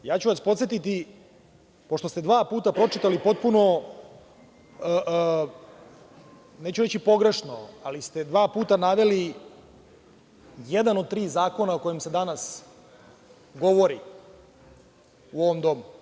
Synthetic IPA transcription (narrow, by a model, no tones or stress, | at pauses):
jaːt͡ɕuʋaspo̞t̪sjet̪it̪i | po̞ʃt̪o̞st̪e̞d̪ʋaːpuːt̪apɾo̞t͡ʃit̪alipo̞t̪̚puno̞ | əʔ | neːt͡ɕuɾe̞t͡ɕipo̞ɡɾe̞ʃnoalist̪e̞d̪ʋaːpuːt̪anaʋe̞li | jed̪anod̪̚t̪ɾiːzaːko̞naoko̞jemse̞d̪anas | ɡo̞ʋo̞ɾi | uo̞ʋomd̪o̞mu